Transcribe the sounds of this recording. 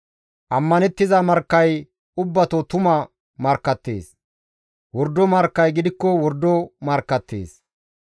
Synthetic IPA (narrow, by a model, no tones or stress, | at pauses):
ʔɐmːɐnɛt̪ːɪzɐmɐɾkːɐj | ʊbːɐt̪ot̪ʊmɐ | mɐɾkːɐt̪ːḛːs | wɔɾd̪ːɔmɐɾkːɐjɡɪd̪ɪkːɔwɔɾd̪ːɔmɐɾkːɐt̪ːḛːs